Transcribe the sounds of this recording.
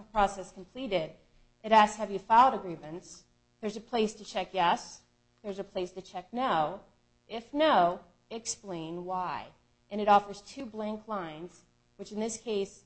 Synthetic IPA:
pʰɹ̥ɔsɛskʰm̩pʰl̥iɾɪɾ | ʔɨɾæsshɨvjɨfaʊlˠɾɨɡɹivɨ̃nts | ðə˞zɨpʰl̥eɪstʰɨt͡ʃʰɛkjɛs | ðə˞zɨpʰl̥eɪstɨt͡ʃʰɛk̚noʊ | ʔɪfnoʊ | ɨksplẽɪ̃nwaɪ | ʔɨ̃ñɨɾɔfə˞z̥tʰʉblæ̃ŋkʰlãɪ̃nz̥ | wɨt͡ʃɨ̃nðɪskʰeɪs

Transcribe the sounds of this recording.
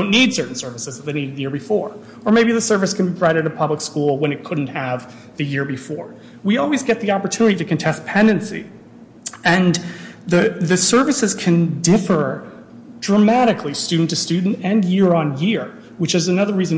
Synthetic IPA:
ʊ̃nːid̥sɜ˞ʔn̩sɜ˞vɨsɨzðt̪ðeɪ̃niɾɨd̪̚ðɨjɪɹbɨfɔɹ | ə˞meɪbiðɨsɜ˞vɨskʰɨ̃n̩bibʰɹ̥aɪɾɨɾɨpʰʌbləkskulˠwə̃nɨt̚kʰʊdⁿn̩t̚hɨv | ðɨjɪɹbɨfɔɹ | wiɔlˠwizɡɛt̪̚ðiɑpə˞tʰʉnɨɾiɾɨkɨ̃ntʰɛs̚pʰɛ̃ndɨ̃nsḭ | ɨ̃nðɨðɨsɜ˞vɨsɨz̥kʰɨ̃ndɪfə˞ | dɹəmæɾɨkʰlistʉdⁿn̩tɨstʉdⁿn̩tɨ̃njɪɹə̃njɪɹ | wɨt͡ʃɨzɨnʌðə˞ɹizɨ̃

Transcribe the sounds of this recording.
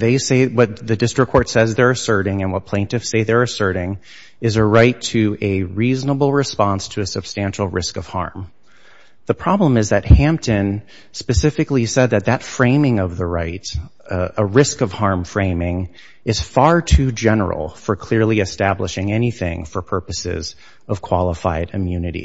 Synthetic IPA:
ðeɪseɪwʌt̪̚ðɨdɪstɹ̥ɨkʰːɔɹtsɛzðə˞ɨsɜ˞ɾɪ̃ŋɨ̃nwʌt̚pʰl̥ẽɪ̃ntɨfseɪðə˞ɨsɜ˞ɾɪ̃ŋ | ɨzɨɹaɪtʰɨɨɹiznəbl̩ˠɹɨspɑ̃nstʰɨːsɨb̥stæ̃nʃl̩ˠɹɪskʌv̥hɑ̰ɹm | ðəpʰɹ̥ɑblə̃mɨzðɨt̚hæ̃mp̚tɨ̃n | spɨsɪfɨklisɛd̪̚ðɨt̪̚ðɨtfɹẽɪ̃mɪ̃ŋʌvðəɹaɪt | əɹɪskʌv̥hɑɹɱfɹẽɪ̃mɪ̃ŋ | ɨz̥fɑɹtʰʉd͡ʒɛnə̰˞l̩ˠfə˞kʰl̥ɪɹlˠiɨstæbləʃɪ̃ŋɛniθɪ̰̃ŋfə˞pʰɜ˞pɨsɪ̰z | ʌv̥kʰw̥ɑlˠəfaɪɾɨmjʉnɨɾḭ

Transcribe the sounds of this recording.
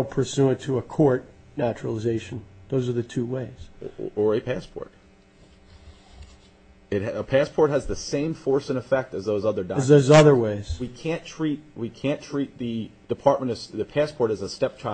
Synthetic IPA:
l̩ˠpʰə˞sʉɨ̃tʰəəkʰɔɹtⁿnæt͡ʃɹəl̩ˠəzeɪʃɨ̃n̩ðoʊzə˞ðɨtʰʉweɪz̥ə˞ɨpʰæspʰɔ̰ɹt | ɨt̚əpʰæspʰɔɹt̚ɦɨzðɨsẽɪ̃ɱfɔɹsɨ̃ñɨfɛk̚tɨzðoʊzʌðə˞daɨzðoʊzʌðə˞weɪz̥wikʰæ̃ntʰɹ̥it̪̚wikʰæ̃ntʰɹ̥it̪̚ðɨd̥ɨpʰɑɹt̚mə̃ñ̩ʌ̥ðɨpʰæspʰɔɹɾɨzəstɛp̚tʰɹ̥a

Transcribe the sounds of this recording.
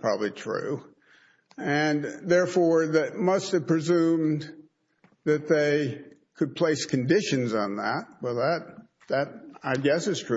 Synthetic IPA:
pʰɹ̥ɑ̰bəblitʰɹ̥ʉ̰ | ɨ̃nðɛɹfɔɹðɨt̚mʌstɨv̥pʰɹ̥ɨzʉ̃m | ðɨt̪̚ðeɪ | kʰɨd̚pʰl̥eɪskʰɨ̃n̩dɪʃɨ̃nzn̩ðə̰t̚wɛlˠðət̪̚ | ðɨɾaɪɡɛsɨz̥tʰɹ̥

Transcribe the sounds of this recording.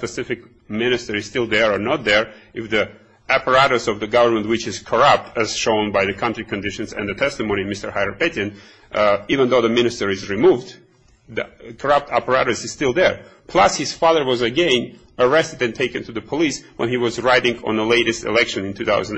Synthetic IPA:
pɨsɪfɨk̚ | mɪ̃nɨstə˞ɨz̥stɪlˠðə˞ə˞nət̪̚ðə˞ɨfði | æpə˞æɾosʌvðɨɡʌvə˞mə̃nt̚wɨt͡ʃɨz̥kʰə˞ʌp̚tʰɨz̥ʃõʊ̃nbaɪðɨkʰʌ̃ntɹ̥ikʰɨ̃ndɪʃɨ̃nzɨ̰̃nðɨtʰɛstɨmõʊ̃nimɪstə˞haɪə˞pɛtɨ̃n | ivə̃nðoʊðɨmɪ̃nɨstə˞ɨzɹimuvd | ðikʰə˞ʌp̚tʰæpə˞æɾɨsɨz̥stɪlˠðə˞pʰl̥ʌshɨz̥fɑðə˞wʌzɨɡɛ̃n | ə˞ɛstɨdɨ̃ntʰeɪkɨ̃ntʰɨðɨpʰəliswə̃niwʌzɹaɪɾɪ̃ŋə̰̃nðəleɪɾɨstɨ̰lɛkʃɨ̃nɨ̃ntʰʉθa̰ʊzə̃n

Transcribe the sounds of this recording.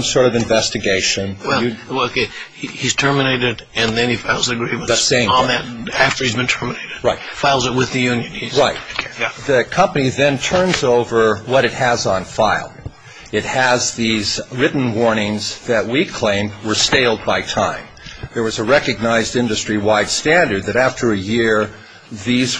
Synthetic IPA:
msɔɹɾʌvɨ̃ɱvɛstɨɡeɪʃɨ̃nwɛɨokʰeihiz̥tʰɜ˞mɨneɪɾɪdɨ̃nðɨ̃nifaɪlˠzɨɡɹiṽðɨtsẽɪ̃ðɨt̚æftə˞hizbɨ̃ntʰɜ˞mɨneɪɾɨd̥ɹaɪtfaɪlˠzɨt̚wɨðɨjʉ̃njɨ̃nizɹaɪt̚ðɨkʰʌ̃mpɨniðɨ̃ntʰɜ̃˞nzoʊvə˞wʌɾɨt̚hɨzn̩faɪlˠ | ɨt̚hɨzðizɹɪʔn̩wɔɹnɪ̃ŋzðɨt̚wikʰl̥ẽɪ̃md̚wə˞steɪlˠd̚baɪtʰãɪ̃m | ðə˞wʌzəɹɛkɨɡ̚naɪzdɪ̃ndɨstɹ̥iwaɪd̥stæ̃ndə˞d̪̚ðɨɾæftʰə˞ɨjɪɹ | ðiz

